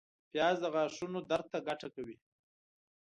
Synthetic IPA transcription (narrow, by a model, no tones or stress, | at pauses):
pjɑːzd̪əɣɑːʂunod̪aɾt̪ːaɡaʈakawi